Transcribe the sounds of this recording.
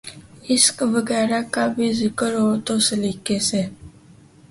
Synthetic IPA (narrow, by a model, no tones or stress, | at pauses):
ɪskʋəɡɛːɾakabʱizɪkəɾɦoːt̪oːsəliːkeseː